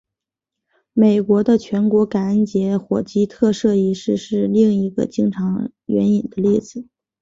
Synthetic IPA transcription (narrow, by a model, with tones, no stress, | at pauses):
me˨˩ɪkwɔ˧˥d̪ə˧t͡ɕʰɥɛ˧˥nkwɔ˧˥ka˨˩ə˥˩nt͡ɕjɛ˧˥xwɔ˨˩t͡ɕi˥t̪ʰɤ˥˧ʂɤ˥˩i˧˥ʂɻ̩˥˧ʂɻ̩˥˧li˥˩ŋi˧˥ɡə̰˧t͡ɕi˥ŋʈ͡ʂʰɑ˧˥ŋ | ɥɛ̰˧˥ni˨˩nd̪ə˦li˥˩d͡zɹ̩˨˩